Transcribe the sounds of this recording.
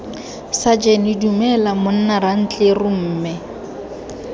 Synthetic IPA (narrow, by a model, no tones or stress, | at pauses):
sad͡ʒɛnɪdumɛlamʊn̩naran̩t͡ɬʼerʊm̩ːmɪ